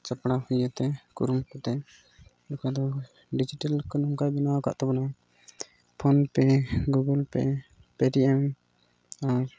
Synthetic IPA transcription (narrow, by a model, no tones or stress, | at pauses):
t͡ʃəpɽahujət̪ɛkuɾumkɔt̪ɛ | lɔkad̪ɔ | ɖid͡ʒiʈalkɔnɔŋkajbinawaka̰ʔt̪ɛbɔna | pʰɔnpɛɡuɡəlpɛ̰ | pɛʈiʔɛm | aɾ